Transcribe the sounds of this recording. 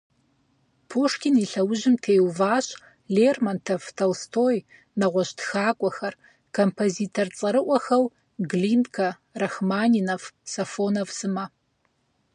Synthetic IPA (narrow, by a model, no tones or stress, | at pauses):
pʰuːʂkʲʰɪniɬɐwʊʑɪmtʰeːwvaːɕ | leːrmɐntʰɐvtʰɐwstʰoːj | nɐʁʷɔʃtxaːkʷʼɔxɐr | kʰompʰoziːtʰɐrt͡sʼɐɾɨʔʷɔxɐw | ɡliːndkʰɐ | rɐxmaːninɐfsɐfoːnɐvsɨmɐ